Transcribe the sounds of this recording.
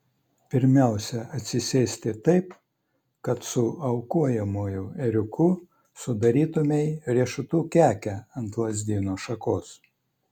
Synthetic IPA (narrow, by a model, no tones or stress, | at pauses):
pʲɪɾʲmʲæˑʊsʲɛɐt̪ʲsʲɪsʲeːsʲt̪ʲɪt̪ɐɪp | kɐt̪sʊɐʊkuɔjɛmuːjʊɛɾʲʊkʰʊ | sʊd̪ɐɾʲiːt̪ʊmʲɛɪɾʲiɛʃʊt̪uːkʲæːkʲɛɐnt̪lˠɐzʲd̪ʲiːnoːʃɐkoːs